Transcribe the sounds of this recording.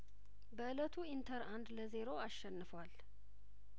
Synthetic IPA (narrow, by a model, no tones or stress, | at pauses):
bəʔɨlət̪ʰuint̪ʰəɾand̪ləze̞ɾo̞aʃːɛnːɨfwal